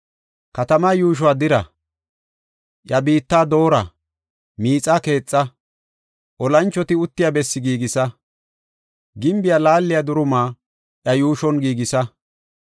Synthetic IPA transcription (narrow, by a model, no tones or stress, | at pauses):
kɐt̪ɐmaːjuːʃ̬ɔad̪ɪɾɐ̰ | ʔjɐbiːt̪ːaːd̪o̞ːɾɐ̰ | miːt͡sʼaːke̞ːt͡sʼːɐ | ʔɔlɐnt͡ʃːɔt̪ɪʊt̪ːɪjabɛsːɪɡiːɡɪsɐ | ɡɪmbɪjalaːlːɪjad̪ʊɾʊmaː | ʔjɐjuːʃɔnɡiːɡɪsɐ